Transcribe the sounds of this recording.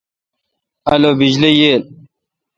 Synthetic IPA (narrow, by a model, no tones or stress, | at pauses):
ɐlobid͡ʑlijeːl